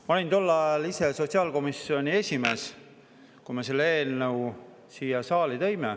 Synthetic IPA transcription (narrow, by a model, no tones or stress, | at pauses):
mɑlint̪olːɑliseso̞tʲsiɑːlko̞misːio̞nʲie̞sʲime̞ːs | kume̞se̞lːeeːlnɤw | siːjɑsɑːlit̪ejme